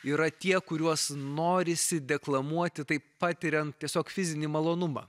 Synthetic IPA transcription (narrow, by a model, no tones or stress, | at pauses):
iːɾɐt̪ʲiɛkʊɾʲuɔsnoːɾʲɪsʲɪd̪ʲɛklˠɐmuɔt̪ʲɪt̪ɐɪpɑːt̪ʲɪɾʲɛnt̪t̪ʲiɛsʲoːkfʲɪzʲɪnʲimɐlˠoːnʊmɑ̰ː